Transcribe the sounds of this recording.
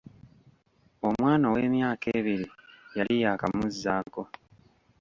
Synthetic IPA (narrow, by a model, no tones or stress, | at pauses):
o̞mwaːnaweːmjaːke̞ːβiɾijalijakamuzːaːko̞